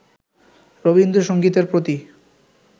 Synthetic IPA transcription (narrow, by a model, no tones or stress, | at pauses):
ɾobind̪oʃoŋɡit̪eɾpɾot̪i